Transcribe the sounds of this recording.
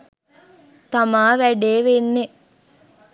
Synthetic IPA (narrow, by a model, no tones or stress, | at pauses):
t̪amaːʋæɖeːʋenːe